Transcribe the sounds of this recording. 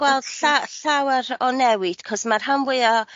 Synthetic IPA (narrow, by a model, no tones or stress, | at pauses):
wɛlˠd̥ɬaɬawaɾɔnɛwɨd̥kʰɔsmarɦamwɪɔ